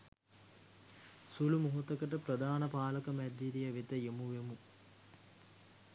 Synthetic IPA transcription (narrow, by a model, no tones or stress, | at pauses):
sulumuɦut̪ɐkəʈ̬əpɾɐd̪aːnɐpaːlɐkɐmɛd̪ːiɾijɐʋet̪əjemuʋemu